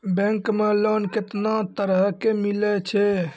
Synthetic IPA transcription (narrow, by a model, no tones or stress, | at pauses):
bɛ̃ŋkmelonket̪nat̪əɾəɦkemilɛt͡ʃʰɛ